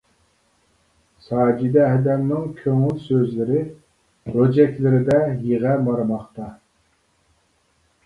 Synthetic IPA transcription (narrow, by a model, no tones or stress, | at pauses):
sɑːd͡ʒid̪ɛɦɛd̪ɛmnɪŋkʲʰøŋylsøzlɪɾɪ | ɾod͡ʒɛkʲlɪɾɪd̪ɛjeʁɛmɑɾmɑχt̪ɑ